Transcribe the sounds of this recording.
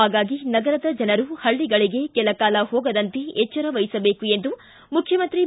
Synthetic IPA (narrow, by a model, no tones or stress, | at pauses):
aːɡaːɡinɐɡɐɾɐd̪ɐd͡ʒɐnɐɾuhɐɭːiɡɐɭiɡe̞kɛlɐkaːlɐɦɔːɡɐd̪ɐnt̪eet͡ʃːɐɾɐʋɐjisɐbeːkue̞nd̪u | mukʰjɐmɐnt̪ɾi